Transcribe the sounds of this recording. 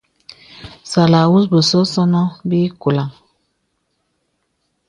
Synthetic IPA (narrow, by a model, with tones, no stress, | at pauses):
sa˨la˨wu˦sbə˨sɔ˦sɔ˦nɔ˦bi˦ku˨la˨ŋ